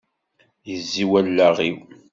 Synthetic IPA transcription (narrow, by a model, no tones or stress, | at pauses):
jəzːiwælːaʁiw